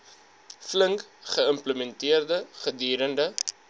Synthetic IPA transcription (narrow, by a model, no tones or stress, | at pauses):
fləŋkχəəmpləmɛntiərdəχədiːɾəndə